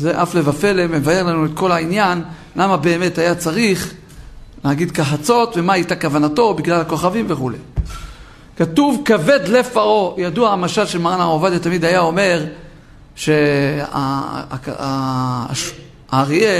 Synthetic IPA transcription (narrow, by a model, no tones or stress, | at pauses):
zeʔafle̞vafe̞lemevae̞ʁlanuet̪̚ko̞lainjan | lamabe̞ːme̞thajat͡saʁiχ | lehaɡid̪kaħat͡so̞tve̞maajtakavanato̞biɡlalako̞χavimveχule̞j | katuvkave̞d̪le̞faʁo̞jaduaːmaʃalʃelmaʁanaovad̪at̪amid̪ajao̞me̞ʁ | ʃe̞a̰ | aʁie